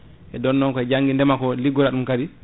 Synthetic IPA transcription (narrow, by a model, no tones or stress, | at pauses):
ʔɛdɔnːɔŋkɔɛd͡ʒaŋɡindɛmakɔliɡːɔlaɗumkadi